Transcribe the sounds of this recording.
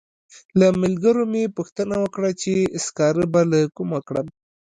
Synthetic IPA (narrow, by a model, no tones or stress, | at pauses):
lamɪlɡəɾomepuxt̪ənawəkɽat͡ʃeskɑɾəbalakumakɽə̰m